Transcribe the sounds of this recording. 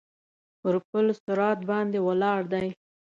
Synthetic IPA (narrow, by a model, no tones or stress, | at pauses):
pəɾpəlsʊɾɑt̪̚bɑnd̪ewalɑɽd̪aj